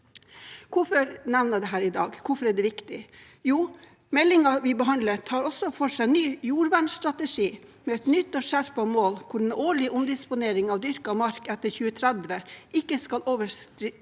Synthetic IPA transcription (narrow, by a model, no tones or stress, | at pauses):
kʰʊfɔɾnæʋnəd̪ɛɦæːɾɪd̪ɑ̰ːɡkʰʊfɔɾæɖɛʋɪkt̪ɪ | juː | mɛlɪŋɑʋɪbəɦɑnd̪lət̪ʰɑːɾɔsɔfɔʂæɪnyːjuːɾʋæɳsst̪ɾɑt̪əʂiːmɛɛt̪nʏt̪ːɔːʂæɾpɑmoːlkʰʊɖɛnoːɭɪʔʊnd̪ɪspʊneːɾɪŋɑʋd̪ʏɾkɑmɑɾkɛt̪ːəɾçʉːət̪ʰɾɛd̪ʋəʔɪkːəskɑlʔoːʋəʂ